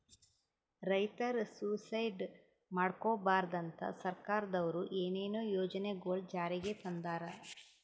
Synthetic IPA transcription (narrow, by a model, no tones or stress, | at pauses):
ɾɐjt̪ɐɾsusɐjɖ | maːɽkoːbaːɾd̪ɐnt̪ɐ̰sɐɾkaːɾɐd̪ɐʋɐɾuʔeːneːnoːjoːd͡ʒɐneɡoːld͡ʒaːɾiɡet̪ɐnd̪aːɾɐ